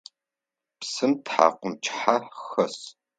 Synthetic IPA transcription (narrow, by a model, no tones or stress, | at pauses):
psɨmtħa̰ːqʷʊmt͡ʃʰʼħaxɐs